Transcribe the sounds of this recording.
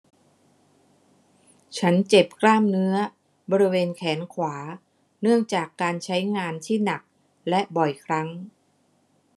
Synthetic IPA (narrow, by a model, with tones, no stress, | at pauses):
t͡ɕʰa˦˥nt͡ɕe˨˩p̚klaː˥˩mnɯ˦˥ɐ | bɔː˧ɾi˦˥weː˧nkʰɛː˩˦nkʰwaː˩˦ | nɯ˥˩əŋt͡ɕaː˨˩kːaː˧nt͡ɕʰa˦˥jŋaː˧nt̪ʰiː˥˩na˨˩k̚ | lɛ˦˥ʔbɔ˨˩jkʰɾa˦˥ŋ